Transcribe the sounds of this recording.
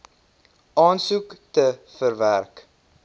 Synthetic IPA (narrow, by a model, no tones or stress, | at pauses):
ʔɑːnsuktəfərværk